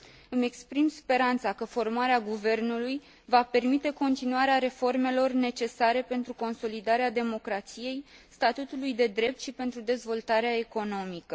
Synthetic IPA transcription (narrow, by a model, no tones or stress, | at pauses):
ɨme̞kspɾimspe̞ɾant̪sakəfo̞rmaɾeaɡuve̞rnuluj | vape̞rmit̪e̞ko̞nt̪inuaɾeaɾe̞fo̞rme̞lo̞rne̞t͡ʃe̞saɾe̞pe̞nt̪ɾuko̞nso̞lid̪aɾead̪e̞mo̞kɾat̪sije̞jst̪at̪ut̪ulujd̪e̞d̪ɾe̞p̚t̪ʃipe̞nt̪ɾud̪e̞zvo̞lt̪aɾeae̞ko̞no̞mikə